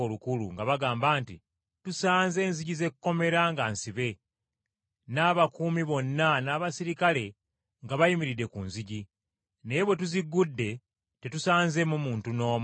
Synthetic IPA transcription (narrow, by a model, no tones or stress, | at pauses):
olukulṵŋɡaβaɡaːmbaːnti | tusaːnze̞ːnziɟize̞kuko̞me̞ɾaŋɡaːnsiβe̞ | naːβakuːmiβo̞nːanaːβasiɾikale̞ | ŋɡaβajimiɾide̞kunziɟi | ne̞jeβwe̞tuziɡːudːe̞ | te̞tusaːnze̞mumuːntuno̞ːm